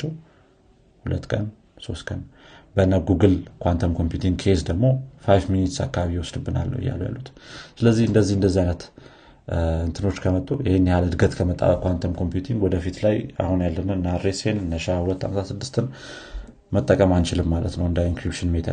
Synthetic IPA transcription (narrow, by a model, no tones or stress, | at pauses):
t͡ʃːɛw | hulət̪ːkʼən | so̞st̪kʼən | bənːaɡuɡɨlkʰʷant̪ʰəmkʰo̞mpjut̪ʰiŋɡkʰe̞sd̪əɡmo̞fajfminit̪sa̰kʰːaβaβiwɔsd̪ɨbːɨna̰lːə̰wɨ̰jːa̰lə̰wja̰lːut̪sɨləzːihɨnd̪əzːihɨnd̪əzːihajnət̪ | ɨnt̪ʰɨno̞t͡ʃːkʰəmət̪ʼːujɪhenːɛhalɨd̪ɡət̪kʰəmət̪ʼa̰βəkʷant̪ʰəmkʰo̞mpjut̪ʰiŋɡwɔd̪əfit̪laja̰hunjalːənɨnaɾesennːəʃahulət̪ːa̰mət̪ʰasɨd̪ːɨst̪ʰɨn | mət̪ʼːəkʼəmant͡ʃɪlɨmːalət̪nəwɨnd̪ainŋkɾipʃɨnmet̪ʰə̰